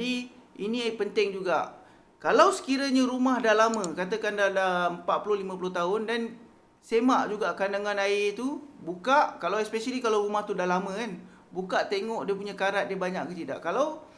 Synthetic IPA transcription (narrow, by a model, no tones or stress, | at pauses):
adiinĩapənt̪ɪŋd͡ʒuɡaʔ | kalawsə̥kiɾəɲãɾumahdahlamə̃kat̪̬akandalampaʔ̪̚pulohlimãp̬uloht̪aʊndan | semaʔd͡ʒuɡakandaŋanaɪt̪ubukaʔkalawɛspesalikalawɾumaht̪udahlamə̃kan | bukaʔt̪eŋɔʔdiəp̬uɲakaɾat̪̚diəbaɲaʔkət̪ida̰ʔkalaw